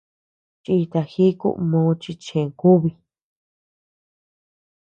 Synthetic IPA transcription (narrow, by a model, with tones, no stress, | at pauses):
t͡ʃi˧i˧t̪a˧xi˦kṵ˦˧ʔmõː˧˦˧t͡ʃi˧t͡ʃẽ˨ku˦βi˧